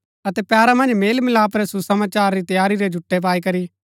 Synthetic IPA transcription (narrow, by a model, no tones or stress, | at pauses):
ɐt̪ɛpjaːɾamɐ̃nd͡ʒmeːlmɪlaːpɾɛsusɐmaːt͡ʃaːɾːit̪ɐjaːɾiɾɛd͡ʒʱʊʈːep̬aːikɐɾi